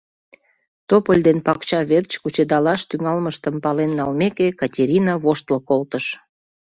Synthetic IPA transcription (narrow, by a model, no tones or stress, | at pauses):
t̪opəlʲd̪enpɑkt͡ɕɑβert͡ɕkut͡ɕed̪ɑlɑʃt̪yŋɑlməʃt̪əmpɑlenːɑlmekekɑtʲeɾʲinɑβoʃt̪ləkolt̪əʃ